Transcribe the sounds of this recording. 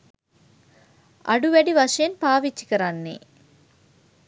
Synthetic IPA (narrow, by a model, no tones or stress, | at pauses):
ɐ̰ɽuʋɐɽiʋɐʂɐɐnpaːʋit͡ʃːi̥kɐɾanːḭ